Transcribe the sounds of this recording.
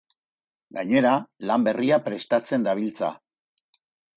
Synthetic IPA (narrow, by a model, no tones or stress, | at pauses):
ɡaɲe̞ɾalambe̞riapɾe̞st̪at͡se̞nd̪aβ̞ilt͡sa̰